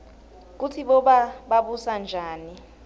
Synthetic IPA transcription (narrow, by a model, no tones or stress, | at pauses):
k̬utʰiɓɔɓaɓaɓusand͡ʒʱaːni